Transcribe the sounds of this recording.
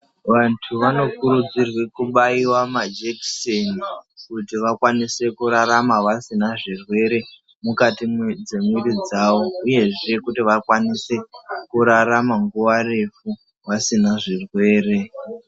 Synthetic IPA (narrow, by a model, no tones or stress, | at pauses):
ʋantʰuʋano̞kuɾud͡zirwekuɓaiwamad͡ʒeksenikutiʋakwanise̞kuɾaɾamaʋasinaʐirwe̞ɾe̞ | mukatimd͡ze̞mwiɾid͡zawo̞uje̞ʐe̞kutiʋakwanise̞kuɾaɾamaŋɡuʋare̞fu | ʋasinaʐirwe̞ːre̞